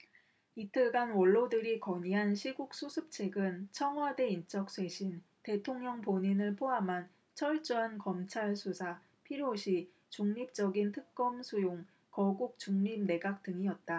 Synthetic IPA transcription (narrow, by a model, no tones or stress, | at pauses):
itʰɯɡanwʌɭːodɯɾikʌɲiɦanɕʰiɡuk̚s͈ʰusʰɯp̚t͡ɕʰe̞ɡɯnt͡ɕʰʌŋɦwade̞int͡ɕ͈ʌk̚s͈ʰwe̞ɕʰinte̞tʰoŋɲʌŋpoɲinɯɭpʰoɦamɦan | t͡ɕʰʌɭt͡ɕ͈uɦankʌmt͡ɕʰaɭsʰusʰa | pʰiɾjoɕʰi | t͡ɕuŋɲip̚t͡ɕ͈ʌɡintʰɯk̚k͈ʌmsʰujoŋ | kʌɡuk̚t͡ɕ͈uŋɲim̚ne̞ɡak̚t͈ɯŋiʌt̚t͈a